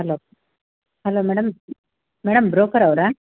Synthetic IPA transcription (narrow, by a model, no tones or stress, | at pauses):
ɦɐloː | hɐloːmɛːɽɐm | mɛːɽɐmbɾoːkɐɾɐʋɾe